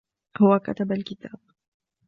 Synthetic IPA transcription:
hʊwaka̰t̪abalkɪt̪aːb̚

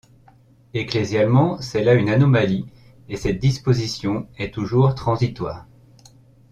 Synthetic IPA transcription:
eklezjalmɑ̃sɛlaynanɔmali | esɛt̪̚d̪ispozisjɔ̃ɛt̪uʒuʁt̪χɑ̃zit̪wa̰ːʁ

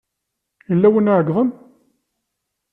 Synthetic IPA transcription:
jəlːæwənʕəɡðˤən

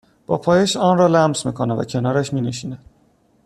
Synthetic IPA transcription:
b̥ɒ̰ːpʰɒːjeʃɒːnrɒːlæmsmiːkʰonævæ̰cʰe̞nɒːɾæʃmiːne̞ʃiːnæd̪̥

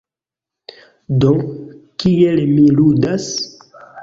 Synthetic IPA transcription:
dokielmiludas

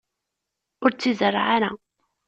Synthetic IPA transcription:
ʊɾt͡sːizərˤːʕaɾa

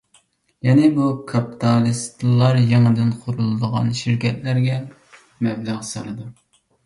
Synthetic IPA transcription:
jɛnɪbukʰɑpi̥t̪ʰɑlˠist̪ʰlˠːɑɾjeŋɨd̪ɪnqʰʊɾulˠɨd̪əʁɑ̰nʃiɾkʲɛt̪læɾɡʲɛ | mɛblæʁsɑnɨd̪u

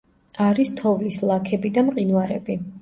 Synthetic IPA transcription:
aɾist̪ʰɔvlislˠakʰɛbid̪amqʼinwaɾɛbi

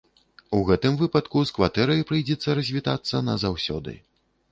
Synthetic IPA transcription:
uɣɛt̪ɨmvɨpɐt̪kuskvat̪ɛɾɐjpɾɨjd͡zʲɛt̪sːɐɾɐzʲvʲit̪at̪sːɐnɐzawsʲɔ̰d̪ɨ̰

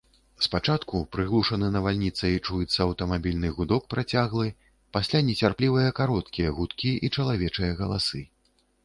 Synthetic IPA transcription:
spat͡ʂat̪kupɾɨɣlˠuʂɐnɨnɐvalʲnʲit̪sɐit͡ʂujɛt̪sːɐɐwt̪ɐmabʲilʲnɨɣud̪ɔk̚pɾʔat͡sʲaɣlˠɨ | pasʲlʲanʲɛt͡sʲarplʲivɐjɐkaɾɔt̪kʲijɐɣut̪kʲiʔit͡ʂɐlˠavʲɛt͡ʂɨjɐɣɐlˠa̰sɨ

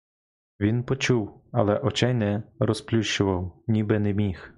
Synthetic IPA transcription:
ʋʲinpɔt͡ʃuwɐlˠɛʔɔt͡ʃɛjnɛɾɔsplʲuʃt͡ʃʊʋɐwnʲibɛnemʲix

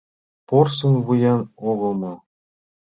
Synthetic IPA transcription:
porsɤ̆nvujɑnoɣɤ̆mɑ̆

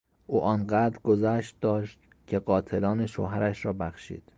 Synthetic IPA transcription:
ʔuːʔɒːnɢæːd̪ɾɡozæːʃt̪̚d̪ɒːʃt̪ | cʰe̞ɢɒːt̪ʰelɒːneʃo̰ːɦæɾæʃɾɒːbæxʃḭːd̪̥

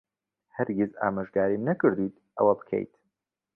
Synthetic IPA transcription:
hɐɾɡiza̰ːmaʒɡaːɾinɐkɨɾd̪ujt̪ʔɐwɐbɨkʰḛjt̪

